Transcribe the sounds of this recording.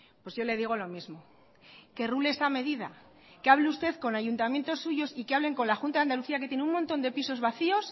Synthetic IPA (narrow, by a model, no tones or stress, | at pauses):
pwe̞sʝo̞le̞ð̞iɣ̞o̞lo̞mizmo̞ | ke̞ruleesame̞ðiða̰ | keaβleust̪e̞ðko̞naʝunt̪amje̞nt̪o̞sːuʝo̞sikeaβle̞ŋko̞nlaxunt̪aðand̪aluθiak̬et̪jeneummont̪o̞nd̪e̞piso̞zβaθio̞s